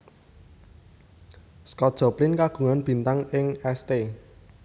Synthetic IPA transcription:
skɔt̪̚dʒ̥ɔ̤plɪnkaɡ̥ṳŋanb̥i̤nt̪aŋɪŋɛst̪e

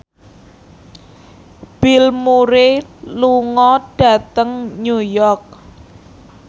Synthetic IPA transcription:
b̥ilmuɾeluŋɔɖ̥a̤t̪əŋɲujɔrk̚

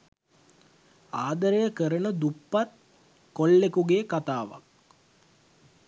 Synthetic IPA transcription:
aːd̪əɾəjəkəɾənəd̪upːat̪̚ | kolːekuɡeːkat̪aːʋa̰k̚

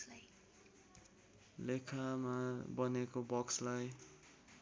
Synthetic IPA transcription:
lekʰamabʌnekobʌkslaj

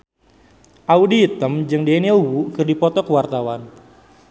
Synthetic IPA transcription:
ʔaudiːt̪əmd͡ʒɨŋdenowukɨrdipɔt̪ɔkəwart̪awan

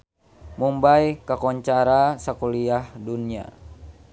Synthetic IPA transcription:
mumbajkakɔɲt͡ʃaɾasakuliahdunia̰

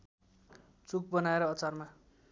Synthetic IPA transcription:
t͡suk̚bʌnaeɾʌːt͡sarma

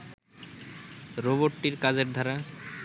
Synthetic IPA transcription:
ɾoboʈːiɾkad͡ʑeɾd̪ʱaɾa

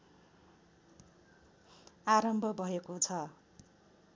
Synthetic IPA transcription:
aɾʌmbʱʌbʱʌekot͡sʰʌ

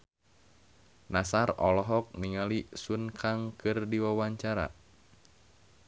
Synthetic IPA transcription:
nasarɔlɔɦɔk̚niŋalisunkʰaŋkɨrdiwawaɲt͡ʃaɾa̰

